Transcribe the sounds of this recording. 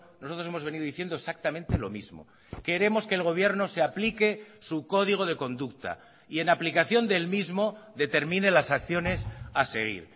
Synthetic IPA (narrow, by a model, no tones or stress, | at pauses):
nosot̪ɾose̞mo̞zβe̞niðoiθjend̪osak̚t̪amẽnt̪e̞lo̞̰mizmo̞̰ | ke̞ɾe̞mo̞ske̞ːlɣ̞o̞β̞je̞ɾno̞seaplikesuko̞ðiɣ̞o̞ð̞e̞ko̞nd̪ukt̪a̰ | ie̞naplikaθjo̞nd̪e̞lmizmo̞ðe̞t̪e̞ɾmĩne̞lasakθjo̞ne̞sase̞ɣ̞ḭɾ